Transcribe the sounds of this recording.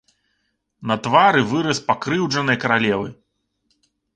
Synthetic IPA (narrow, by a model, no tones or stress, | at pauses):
nɐt̪vaɾɨvɨɾɐspakɾɨwd͡ʐɐnɨjɐkɐɾalʲɛvɨ